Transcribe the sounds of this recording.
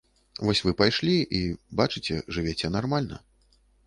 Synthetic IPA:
vɔsʲvɨpajʂlʲiʔibat͡ʂɨt͡sʲɛ̰ʐɨvʲet͡sʲɛnarmalʲnɐ̰

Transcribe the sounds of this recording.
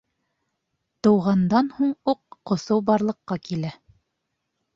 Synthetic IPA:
t̪ɤ̆wʁɑnd̪ɑnhuɴuqːŏsɤwbɑɾlˠɤ̆qːɑkilæ

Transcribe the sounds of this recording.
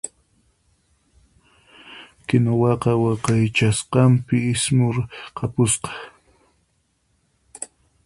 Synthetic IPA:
kɪnowɑqɑwɑqɑjt͡ʃasqɑmpɪɪsmʊɾqʰɑpʊsqɑ̥

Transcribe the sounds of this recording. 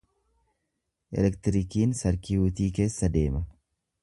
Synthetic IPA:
ʔɛ̰lɛkt̪ɪɾɪkiːnsɐɾkiʊt̪iːke̞ːsːɐd̪e̞ːmɐ

